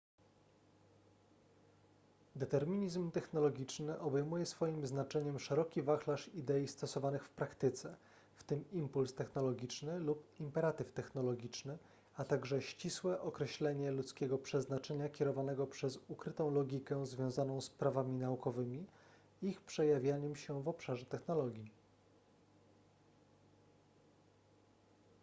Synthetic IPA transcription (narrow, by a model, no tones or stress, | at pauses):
d̪ɛt̪ɛɾmʲiɲizmt̪ɛxnɔlɔɡʲit͡ʂnɘʔɔbɛjmujɛsfɔjimznat͡ʂɛɲɛmʂɛɾɔkʲivaxlaʂid̪ɛjist̪ɔsɔvanɘxfpɾakt̪ɘt̪sɛ | ft̪ɘmimpulst̪ɛxnɔlɔɡʲit͡ʂnɘlupimpɛɾat̪ɘft̪ɛxnɔlɔɡʲit͡ʂnɘ | at̪aɡʐɛɕt͡ɕiswɛʔɔkɾɛɕlɛɲɛlut̪skʲɛɡɔpʂɛznat͡ʂɛɲakʲɛɾɔvanɛɡɔpʂɛzukɾɘt̪ɔ̃w̃lɔɡʲikɛzvʲjɔ̃w̃zanɔ̃w̃spɾavamʲinaukɔvɘmʲi | ixpʂɛjavʲjaɲɛmɕɛvɔpʂaʐɛt̪ɛxnɔlɔɡʲji